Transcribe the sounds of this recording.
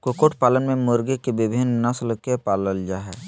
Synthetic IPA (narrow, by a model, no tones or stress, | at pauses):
kokoːʈpaːlənmẽmoːɾɡekebɪbʱɪnnɐsələkepaːləld͡ʒaɦɛː